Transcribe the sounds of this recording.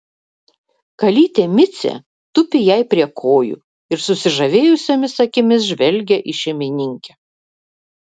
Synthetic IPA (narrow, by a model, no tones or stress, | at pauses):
kɐlʲiːt̪ʲemʲɪt̪sʲḛ | t̪ʊpʲɪjɛɪpʲɾʲiɛkʰoːjṵː | ɪɾsʊsʲɪʒɐʋʲeːjʊsʲomʲɪsɐkʲɪmʲɪs̬ʒʲʋʲɛlʲɡʲɛʔiʃʲɛmʲɪnʲɪŋʲkʲɛ